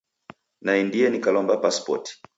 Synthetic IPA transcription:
naindiɛnikalɔmbapaspɔ̰ti̥

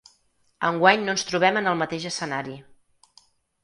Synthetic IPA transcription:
əŋɡwaɲnoənst̪ɾuβ̞ɛmənəlˠmət̪eʒəsənaɾi

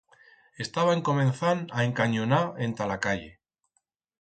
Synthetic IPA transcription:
e̞st̪aβaeŋko̞mẽ̞n̟θanaeŋkaɲonae̞nt̪alakaʎe̞̰

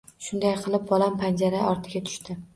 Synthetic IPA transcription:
ʃʊnd̪ajqʰɨlˠɪp̚bɒlampʰand͡ʒaɾaɒɾt̪ʰɪɡʲat̪ʰʊ̥ʃt̪ɪ

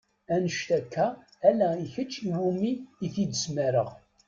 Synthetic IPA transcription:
ænəʃt̪ækʰːæː | læiçət͡ʃːiwumiːθid̪əsmæɾə̰ʁ

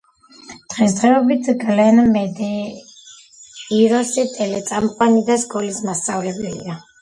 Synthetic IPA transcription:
d̪̥ʁɛsd̪ʁɛɔbit̪ʰɡlɛnmɛd̪ɛ | iɾɔsit̪ʼɛlɛt̪sʼamqʼwanid̪asɡʼɔlismast̪sʼavlɛbɛlḭa

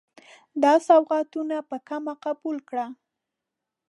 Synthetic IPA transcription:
d̪ɑsawɣɑt̪unapəkamaqabulkɽa

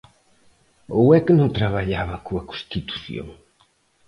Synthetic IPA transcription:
owɛknõŋt̪ɾaβaʎaβɐkoɐkõst̪it̪u̥θjo̰ŋ

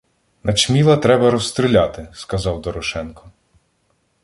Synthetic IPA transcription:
nɐt͡ʃmʲilˠɐt̪ɾɛbɐɾɔst̪ɾɪlʲɑt̪ɪskɐzɑwd̪ɔɾɔʃɛnkɔ

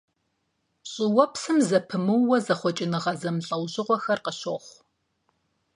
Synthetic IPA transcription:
ɕʼɪwɔpsɨmzɐpʰɨmɨwːɔzɐχʷɔt͡ʃʼɪnɨʁɐzɐmɬʼɐwʑɪʁʷɔxɐrqəɕoχʷ

